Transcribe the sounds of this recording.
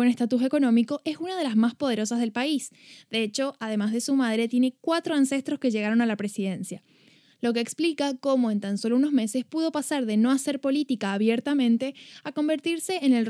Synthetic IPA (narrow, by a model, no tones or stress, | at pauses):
onest̪at̪us̬e̞ko̞nõ̞mikoʔesunað̞e̞lazmaspo̞ð̞e̞ɾo̞sazð̞e̞lpais | d̪e̞et͡ʃo̞ʔaðe̞mazðe̞sumað̞ɾe̞t̪je̞ne̞kwat̪ɾo̞anse̞st̪ɾo̞ske̞ʒe̞ɣaɾo̞nalapɾe̞siðe̞nsja | lo̞keːksplikako̞mo̞e̞nt̪anso̞louno̞zme̞se̞spuð̞o̞pasaɾðe̞no̞ase̞ɾpo̞lit̪ikaːβjeɾt̪amẽnt̪e̞ako̞mbe̞ɾt̪iɾse̞ʔːnel